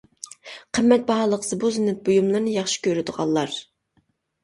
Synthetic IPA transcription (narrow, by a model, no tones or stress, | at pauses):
qʰəmːɛt̪̚bɑɦɑlˠəqz̥ɨbuzɨnɛt̪̚bojumlˠɨɾnɨjɑχʃi̥kʲøɾyd̪ʊʁɑ̰lˠlːˠɑɾ